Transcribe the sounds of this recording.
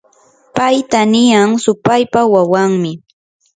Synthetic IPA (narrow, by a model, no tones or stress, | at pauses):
pajt̪anɪjaŋsʊpajpawawaŋmɪ